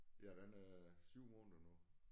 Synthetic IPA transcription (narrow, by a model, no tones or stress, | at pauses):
jæd̥enæsyʊ̰mɔːnðˠɐnu